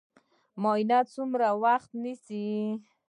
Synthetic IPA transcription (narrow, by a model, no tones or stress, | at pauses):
mɔjnat̪sumɾawaxt̪nisi